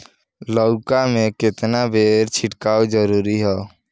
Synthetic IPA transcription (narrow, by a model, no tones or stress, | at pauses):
ləʊkamẽkɪt̪nabʱeːɾt͡ʃʰɪʈkaːwd͡ʒəɾuːɾiɦɛː